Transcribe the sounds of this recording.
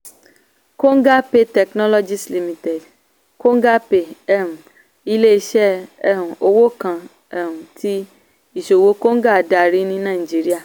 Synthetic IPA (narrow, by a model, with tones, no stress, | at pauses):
ko˦ŋ˦ɡa˦pe˦tɛ˨knɔ˦lɔ˦d͡ʒi˦sli˧mĩ˨te˨d | ko˦ŋ˦ɡa˦pe˨ɛ˦ũ˨ | i˦le˦i˦ʃɛ˦ɛ˦˨ɦũ˨ʔo˦wo˦kã˨ | ɛ˨ɾũ˨tʰi˦ | i˨ʃo˨wo˦ko˦ŋ̩˦ɡa˦˨da˨ɾi˦nĩ˦nã˦˨i˨d͡ʒi˦ɾi˦a˦˨